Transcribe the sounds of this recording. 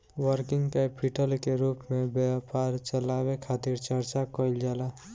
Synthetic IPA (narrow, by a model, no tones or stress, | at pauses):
wəɾkiŋɡkepʰiʈʰəlkeɾupmebjepaɾt͡ʃəlaβekʰat̪iɾt͡ʃəɾt͡ʃakəjld͡ʒala